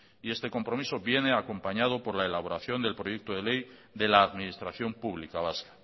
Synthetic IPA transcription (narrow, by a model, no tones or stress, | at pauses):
iest̪e̞ko̞mpɾo̞miso̞βje̞ne̞ako̞mpaɲað̞o̞po̞ɾlaelaβ̞o̞ɾaθjo̞nd̪e̞lpɾo̞je̞k̚t̪oðe̞le̞jd̪e̞laːðminist̪ɾaθjo̞mpuβlikaβ̞askḁ